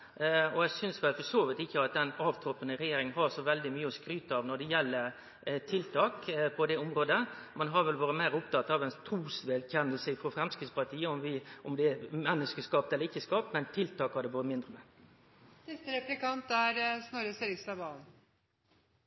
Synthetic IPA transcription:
ɔæsʏnsʋɛlfɔʂoːʋɪt̪ɪçːəɑt̪̚d̪ɛnɑːʋt̪ʰɾɔpənəɾɛjeːɾɪŋənɦɑɾsɔʋɛld̪ɪmyːəɔskɾyːt̪əɑːʋnɔɖ̪ɛjɛlːəɾ | t̪ʰɪlt̪ʰɑːkpʰɔd̪ɛʊmɾoːd̪əmɛnɦɑʋɛlʋoːɾəmæɪɾʊp̚t̪ɑt̪ːɑʋɛnt̪ʰɾuːsʋɛlçɛnːəlsəfɾɔfɾɛmskɾɪt̪spɑɾt̪ʰiːəɔmʋɪʔɔmd̪ɛɛmɛnːəskəskɑːpt̪ɛləɾɪçːəskɑːpmɛnt̪ʰɪlt̪ʰɑːkhɑd̪ɛʋɑːɾəmɪnd̪ɾəmɛ | sɪst̪əɾɛplɪkɑnt̪æɾsnɔɾəseɾɪkst̪ɑʋbɑːln̩

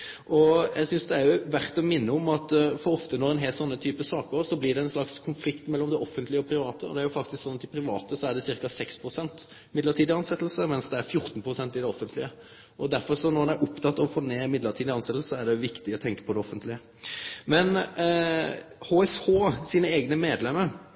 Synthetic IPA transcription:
ʔɔjæɡsʏnsd̪ɛæjʊʋæʁt̪ɔmɪnːəɔmɑt̪fɔɾɔft̪ənɔɾɛnɦɛːlsɔnːət̪ʰyːpəsɑːkəɾsɔblɪɖ̪ɛɛnslɑkskʰʊnflɪkt̪mɛlːɔmd̪ɛʔɔfːənt̪lɪəɔpʰɾɪʋɑːt̪əɔ̰d̪ɛæɾjʊfɑk̚t̪ɪsksɔnːɑt̪ɪpʰɾɪʋɑ̰ːt̪əsɔæɖɛsɪɾkɑsɛkspʰɾʊsɛnt̪ | mɪd̪ləʈʰiːd̪ɪɑnsɛt̪ːəl̩səmɛnsd̪ɛæɾfjʊɾt̪npʰɾʊsɛnt̪ɪd̪ɛɔfənt̪ʰlɪə | ʔɔd̪æɾfɔɾsɔnɔɾɑnæɾʔʊpt̪ʰɑt̪ːɑʋɔfoːneːmɪd̪ləʁʈʰiːd̪ɪɑnsɛt̪ːl̩səæɖɛʋɪkt̪ɪɔt̪ʰɛŋkə̥pʰɔd̪ɛɔfːənt̪lɪə | mɛn | hoːɛshoːsiːnəeːɡnəmeːd̪lɛməɾ

